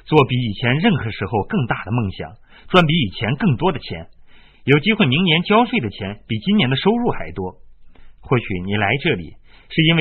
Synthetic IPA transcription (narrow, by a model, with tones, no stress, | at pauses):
t͡swɔ˥˩pi˧˥i˨˩t͡ɕʰjɛ˧˥nɻə˥˩nxɤ˧˥ʂɻ̩˧˥xo˧ʊkɤ˥˧ŋt̪a˥˩d̪ə˩mɤ˥˩ŋɕjɑ̰˨˩˦ŋ | ʈ͡ʂwa˥npi˧˥i˨˩t͡ɕʰjɛ˧˥nkɤ˥˩ŋt̪wɔ˥d̪ə˨t͡ɕʰjɛ̰˧˥n | jo˨˩ʊt͡ɕi˥xwe˥˩ɪmi˧˥ŋnjɛ˧˥nt͡ɕjɑ˥ʊʂwe˥˩ɪd̪ə˩t͡ɕʰjɛ˧˥npi˨˩t͡ɕi˥njɛ˧˥nd̪ə˧ʂo˥ʊɻu˥˩xa˧˥˩ɪt̪wɔ˥xwɔ˥˩ɕy̰˧˩ni˨˩la˧˥ɪʈ͡ʂɤ˥˩lḭ˨˩ | ʂɻ̩˥˩i˥nwe˥˩